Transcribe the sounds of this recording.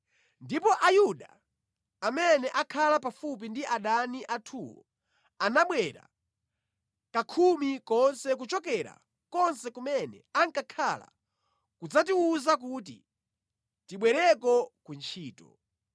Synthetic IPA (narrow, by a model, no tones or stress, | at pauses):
ndipɔʔajuɗa | amɛnɛʔakʰalapafup̬indiʔaɗaniʔatʰuwɔ̰ | anaɓwɛɾa̰ | kakʰumikɔnsɛk̬ut͡ʃɔk̬ɛɾa̰ | kɔnsɛkumɛnɛ̰aŋkakʰala̰ | kud͡zat̬iuzak̬ut̬ḭ | tiɓwɛɾɛkɔkunt͡ʃʰiːtɔ̰